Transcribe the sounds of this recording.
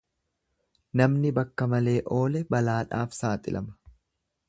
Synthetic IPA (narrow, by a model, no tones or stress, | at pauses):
nɐmnɪbɐkːɐmɐle̞ːʔo̞ːlɛbɐlaːᶑaːfsaːt̪ʼɪ̰lʔɐ̰mɐ̥